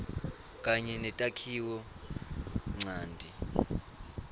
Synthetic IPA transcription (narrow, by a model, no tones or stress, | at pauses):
kʼaɲɛnɛtʼakʰiwɔ | ŋ͡ǀaːndʱi